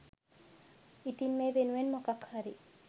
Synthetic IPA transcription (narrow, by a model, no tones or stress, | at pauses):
it̪inmebenuenmokakʰhaɾi